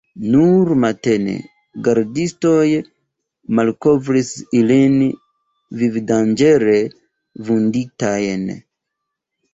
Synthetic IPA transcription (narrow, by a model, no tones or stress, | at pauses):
nuɾmate̞ne̞̰ | ɡaɾdisto̞j | malko̞vɾisilin | vivdand͡ʒe̞ɾe̞ | vunditajn